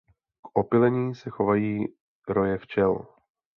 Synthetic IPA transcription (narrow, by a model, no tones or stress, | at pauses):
kʔopɪlɛɲiːsɛxo̞vajiː | ɾojɛft͡ʃɛl